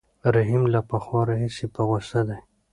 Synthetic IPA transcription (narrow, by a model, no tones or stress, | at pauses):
ɾaɦimlapaxwɑɾaɦisipaɣast̪ad̪aj